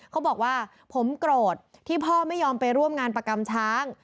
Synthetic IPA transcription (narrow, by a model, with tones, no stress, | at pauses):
kʰa˦˥wbɔː˨˩k̚waː˥˩ | pʰo˩˦mkɾoː˨˩t̪̚ʰiː˥˩pʰɔː˥˩ma˥˩jːɔː˧mpa˧jɾu˥˩əmŋaː˧npɾa˧ka˧mt͡ɕʰaː˦˥ŋ